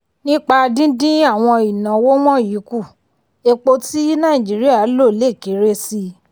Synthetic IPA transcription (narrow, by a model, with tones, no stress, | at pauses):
nĩ˦k͡pa˧dĩ˦dĩ˦a˦˨w̃ɔ̃˧i˨nã˨wo˦w̃ɔ̃˦ji˨˦ku˦˨ | e˧k͡po˧ti˦nã˦˨ĩ˨d͡ʒi˨˦ɾi˦a˦˨˦lo˦˨le˦˨ki˨˦ɾe˦si˧